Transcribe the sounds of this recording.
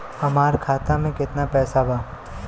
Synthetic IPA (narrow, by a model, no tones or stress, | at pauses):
hɐmaːɾkʰaːt̪amẽkɪt̪napɛːsabaː